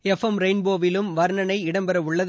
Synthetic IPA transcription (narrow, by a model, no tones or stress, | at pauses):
ɛfɐmɾɐɪnboːʋɪlɯmʋɐɾnɐnɐɪɪɽɐmbɐɾɐʊɭːɐð